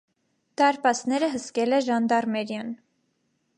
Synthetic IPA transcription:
d̪̥ɑɾpɑsnɛɾəɦəskɛlɛʒɑnd̪ɑrmɛɾjɑn

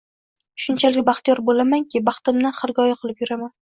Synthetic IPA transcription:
ʃʊnt͡ʃʰalɪkʲbɑχt̪ijɒɾbolamaŋkʲɪbɑχt̪ɪmd̪anχɪɾɡʲɒjaqʰɨlˠɪpjʊɾaman

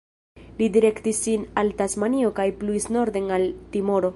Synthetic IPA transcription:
lidiɾe̞ktisːinaltasmanio̞kajpluisno̞ɾd̪enaltimo̞ɾo̞

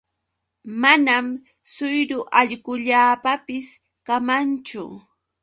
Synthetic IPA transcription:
manam | sʊjɾʊʔaʎɢʊʎaːpapɪs | kamant͡ʃʊ̰

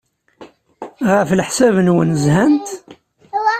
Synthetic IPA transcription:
ʁəflħsævənwə̰nzhænt̪

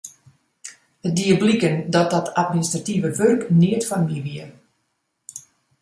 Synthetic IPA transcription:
ət̚diəblikəndɔt̚dɔtʰatministrativəʋørkniətfanmiʋiə

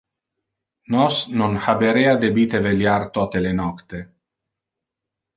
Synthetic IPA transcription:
nɔsnonhabeɾead̪ebiːt̪eveljart̪ɔt̪elenɔkt̪e

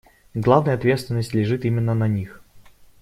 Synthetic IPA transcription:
ɡlˠavnəjəɐt̪vʲe̞t̪st̪vʲɪnːəsʲtʲlʲɪʐɨt̪imʲɪnːənɐnʲix

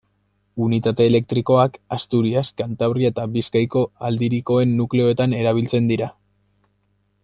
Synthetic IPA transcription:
unit̪at̪e̞ːle̞k̚t̪ɾiko̞akast̪uɾiaskant̪aβɾiaet̪abiskajko̞ald̪iɾiko̞e̞nːukle̞o̞e̞t̪ane̞ɾaβ̞ilt͡se̞nd̪iɾa

